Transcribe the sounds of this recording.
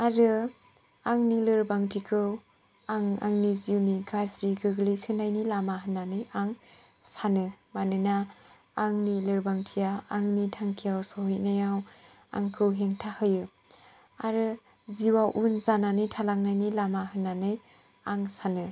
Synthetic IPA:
aɾɯ | aŋnilɯɾbaŋtʰikʰɯw | aŋa̰ŋniziwniɡasɾiɡɯɡlisɯnajnilamaɦɯnːanɯjaŋ | sanɯmanɯnaː | ŋnilɯɾbaŋtʰijaaŋnitʰaŋkʰijawsɔɦɯjnajaw | a̰ŋkʰɯwɦeŋtʰahɯjɯ | aɾɯ | ziwawʔunzananɯjtʰalaŋ̚najnilamaɦɯnːanɯj | aŋsanɯ

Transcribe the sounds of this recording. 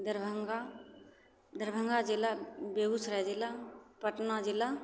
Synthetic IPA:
d̪əɾbʱəŋɡa | d̪əɾbʱəŋɡad͡ʒilabebusɾad͡ʒilapəʈnad͡ʒilːa

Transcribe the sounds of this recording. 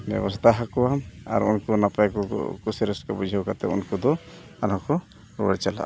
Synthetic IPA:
bɛ̰bɔst̪aɦakɔama̰ɾṵnkɔnapaakɔ̰kusiɾɛskabud͡ʒʱiɦɔwkat̪ɛ̰ṵnkɔd̪ɔ | anɔkɔ | ɾɔ̰ɽɛt͡ʃala̰

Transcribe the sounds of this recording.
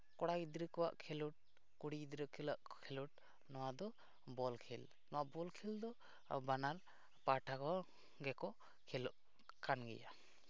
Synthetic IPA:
kɔɽaɡid̪ɾəkɔwa̰ʔkʰɛluʈ̚ | kuɽiid̪ɾəkʰilaʔkʰɛluʈ̚ | nɔwad̪ɔ | bɔlkʰɛl | nɔwaʔbɔlkʰild̪ɔ | banal | paʈʰakɔ | ɡɛkɔ | kʰɛlɔʔ | kanɡɛ̰ja̰

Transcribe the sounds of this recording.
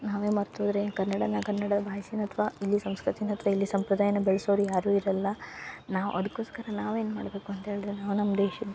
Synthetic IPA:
naːʋeːmɐɾt̪uːd̪ɾekɐɾnːɐɽɐnɐkɐnːɐɽɐd̪ɐbʱaːjsinɐt̪ʰʋaːilːisɐmskɾɐt̪inɐt̪ʰʋailːisɐmpɾɐd̪aːjɐnːubɛɭɐsoːɾijaːɾuːiɾɐlːɐnaːʋṵʔɐd̪ɐkːoːskɐɾɐnaːʋe̞ːnumaːɽbe̞ːkuɐnt̪ɐɦe̞ːɭid̪ɾenaːʋunɐmːɐd̪eːʃid̪ː

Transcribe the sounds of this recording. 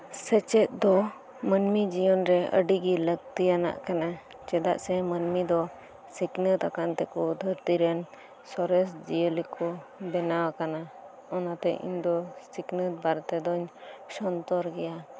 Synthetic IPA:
sɛt͡ʃɛt̪̚d̪ɔ | mənmid͡ʒijɔnɾɛə̰ɖiɡiləɡt̪ijana̰ʔkana | t͡ʃɛd̪a̰ʔsɛmənmid̪ɔ | siknət̪akant̪ɛkɔd̪ʱəɾt̪iɾɛn | sɔɾɛsd͡ʒijəlikʰɔbɛnawakana | ɔnat̪ɛ̰ʔḭɲd̪ɔsiknət̪̚baɾt̪ɛd̪ɔɲsɔnt̪ɔɾɡɛja

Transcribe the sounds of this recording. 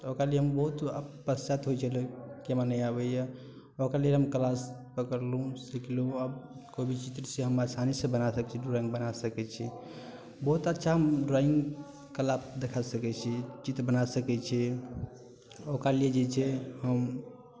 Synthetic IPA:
t̪okɾalieɦəmbəɦut̪əpəst͡ʃat̪ɦojt͡ʃʰəlukemanəjabɛjɛ | okɾalieɦəmkəlaspəkəɾlũsikluəbkobʱit͡ʃit̪ɾseɦəmasanisẽbənasəkɛt͡ʃʰɾoĩŋɡbənasəkɛt͡ʃʰi | bəɦut̪ətːʃʰaɦəmɖɾaiŋɡ | kəlapd̪ekʰasəkɛt͡ʃʰit͡ʃit̪ɾbənasəkɛt͡ʃʰɛ | okɾalied͡ʒet͡ʃʰɛɦəm

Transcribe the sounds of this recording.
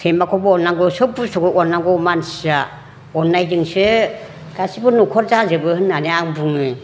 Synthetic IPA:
tʰembakʰɔbɯɔnːaŋɡɔsɯbusɔɡɯɔnːaɡɔmansia | ɔnːajdɯŋsɯ | ɡ̥asibɯnukʰɔɾzazɯbɯhɯnːaneaŋbuŋɯ

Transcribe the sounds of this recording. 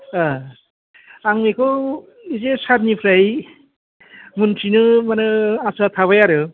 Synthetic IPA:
a | aŋmekʰɯw | izesat̚nipʰɾaj | muntʰinɯmanɯasat̪ʰaβajaɾɯ

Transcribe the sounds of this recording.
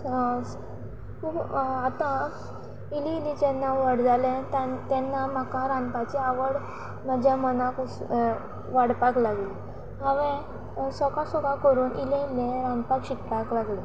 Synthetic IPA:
kuːt̪ã | iliilit͡ɕɛnːaʋəɽd͡zalɛ̃t̪at̪ɛnːamakaɾãnpat͡ɕiaʋəɽ | mad͡ʑʱjamənakus | ʋaɽpaklaɡli | ɦãʋẽ | sɔkasɔkakəɾuːnʔilẽilẽɾanpakɕikpaklaɡlẽ

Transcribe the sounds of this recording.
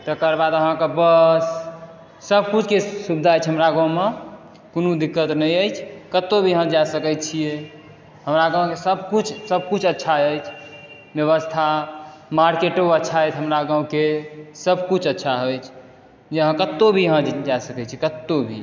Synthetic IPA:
t̪əkəɾbad̪əɦãkebəsː | əb̚ʱkut͡ʃʰkesubd̪ʱaəjt͡ʃʰɦəmɾaɡə̃ũme | konud̪ikːət̪nəjəjt͡ʃʰkət̪ːobʱijɦə̃d͡ʒasəkɛt͡ʃʰije | ɦəmɾaɡãũkesəb̚ʱkut͡ʃʰsəb̚ʱkut͡ʃʰətːʃʰaəjt͡ʃʰ | bjəβəst̪ʰamaɾkeʈoətːʃʰaəjt͡ʃʰɦəmɾaɡə̃ũkesəb̚kut͡ʃʰətːʃʰaɦojt͡ʃʰ | d͡ʒeəɦə̃kət̪ːobʱiəɦə̃d͡ʒajsəkɛt͡ʃʰiekət̪ːobʱḭ

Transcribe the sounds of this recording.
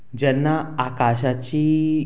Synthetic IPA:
d͡ʑɛnːaakaɕat͡ɕi

